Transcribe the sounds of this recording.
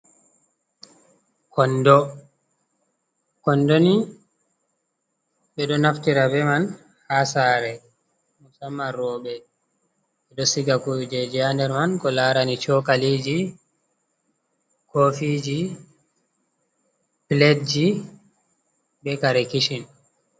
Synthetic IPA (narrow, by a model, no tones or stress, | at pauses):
kɔndɔ | kɔndoni | ɓɛɗɔnaftiɾabɛman | hasaːɾɛ | musamːaɾɔːbɛ | ɓɛɗɔsiɡakud͡ʒɛd͡ʒiandɛɾmankɔlaːɾanit͡ʃɔkalid͡ʒi | kofid͡ʒi | pledd͡ʒi | bɛkaɾɛkiʃin